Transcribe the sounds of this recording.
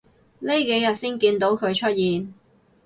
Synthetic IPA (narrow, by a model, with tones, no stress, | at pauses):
le˥jke˨˥jɐ˨t̚siː˥nkiː˧nt̪o˨˥wkʰɵ˨˧ɥt͡ʃʰɵ˥t̚jiː˨n